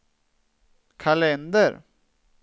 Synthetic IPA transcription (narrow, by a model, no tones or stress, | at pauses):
kʰalɛnd̪əɾ